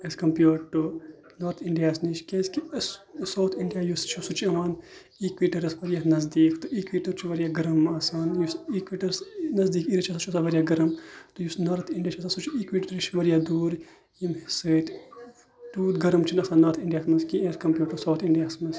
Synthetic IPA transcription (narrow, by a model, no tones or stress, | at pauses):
eskɐmpjuːɖʈːu | noːɾt̪ʰiɳɖijaːsnit͡ʃkẽːskissɐwt̪ʰiɳɖijaːjust͡ʃʰusut͡ʃɐʋaːn | ikʋiːʈɐɾɐsʋɐɾijaːnɐzd̪iːkt̪oiːkʋiːʈɐɾt͡ʃʰuʋɐɾjaːɡɐɾɐmɐːsaːnjusikʋiːʈɐɾsnɐzd̪iːkiːɾit͡ʃʰɐsat͡ʃʰɐsaʋɐɾjaːɡɐɾɐmt̪ujusnɐɾt̪ʰiɳɖijaːt͡ʃʰɐsasut͡ʃʰiiːkʋiːʈɾɾit͡ʃʰʋɐɾjad̪uːɾ | imhisɨːt̪ʲ | ʈuːɾɡɐɾɐmt͡ʃʰinɐsaːnːɐːɾt̪ʰiɳɖijaːsmɐnskĩeskɐmpjuːʈːusɐwt̪ʰiɳɖijaːsmɐns